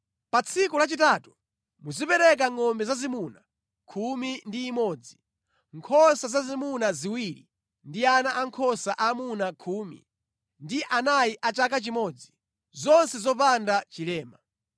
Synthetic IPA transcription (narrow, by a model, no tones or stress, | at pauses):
pat͡sʰikulat͡ʃitaːtu̥ | muzipɛɾɛk̬aŋɔmbɛzazimuna | kʰumindiːmɔːd͡zi | ŋkʰɔsazazimunaziwiɾḭ | ndianaʔaŋkʰɔsaʔamunakʰuːmḭ | ndiʔanajiʔat͡ʃak̬at͡ʃimɔd͡zi̥ | zɔnsɛzɔp̬andat͡ʃilɛːma